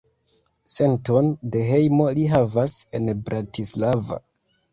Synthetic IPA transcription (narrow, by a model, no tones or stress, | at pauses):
se̞nto̞nde̞ɦe̞jmo̞liɦavase̞nbɾatislava̰